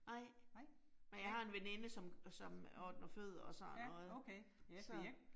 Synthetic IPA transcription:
nɑ̈ɪ̰ | menjɑhɑ̈e̝nʋene̝nəsɒ̽msɒ̽mɒːd̥nɐføð̞ˠɐɒ̽sɒɔð̩ˠʰsɒ̽

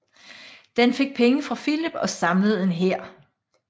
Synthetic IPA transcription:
d̥enfe̝ɡ̥̚pʰeŋəfʁɑ̈filib̥ɒ̽sɑ̈mləð̞̩ˠe̝nɦeɐ̰

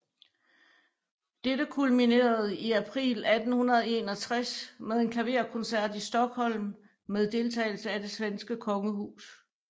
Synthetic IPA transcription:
d̥edəkʰulmine̝̰ːɐð̞̩ˠiæpʰʁḭːlæd̥n̩hunɐð̞ˠe̝nɒ̽t͡sʰʁasmeðˠe̝nkʰæʋe̝ɐ̰kʰɔnsæɐ̰d̥isd̥ɒ̽ɡ̥hɒ̽l̰mː | eð̞ˠd̥e̝lt͡sʰɛ̰ːɪl̩səæd̥e̝sʋensɡ̥əkʰɒ̽ŋəhṵːs

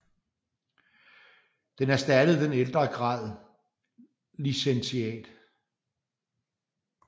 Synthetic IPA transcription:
d̥enæɐsd̥æɾ̥əð̩ˠd̥eneld̥ʁɐɡ̥ʁɑ̰̈ːð̰ˠ | lisensiɛ̰ːd̥

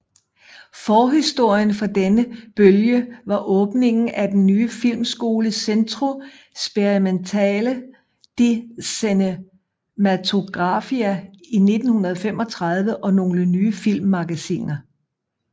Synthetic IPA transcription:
fɒːɦisd̥o̝ɐ̰jənfɒ̽d̥enəb̥øljəʋɑ̈ʔɔ̽ːb̥ne̝ŋn̩ʔæd̥enːyːəfil̰msɡ̥o̝ːləsendʰʁo̝ | sb̥eʁiment͡sʰɛ̰ːlə | d̥e̝sene | mæt͡sʰo̝ɡ̥ʁɑ̈fiæine̝d̥n̩hunɐð̞̩ˠfem̰ɒ̽t͡sʰʁɑ̈ð̞ˠʋəʔɒ̽no̝ːlənyːəfil̰mːɑ̈ɡ̥æsḭːnɐ

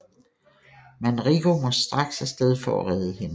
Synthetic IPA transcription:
mænʁiɡ̥omɒ̽sd̥ʁɑ̈ɡ̥sæsd̥eð̞ˠfɒ̰ːʁɛðˠəhe̝nə

